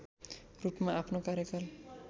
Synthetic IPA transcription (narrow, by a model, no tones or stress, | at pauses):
ɾupmaʔapʰnokaɾjekal